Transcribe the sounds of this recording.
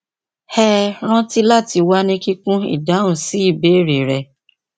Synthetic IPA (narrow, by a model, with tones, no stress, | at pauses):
hɛ˦ɾ̃ã˦ti˦la˦˨ti˧wa˦nĩ˧ki˦kũ˦ḭ˦˨da˨˦ũ˨si˨˦i˦˨be˦˨ɾe˨ɾɛ˧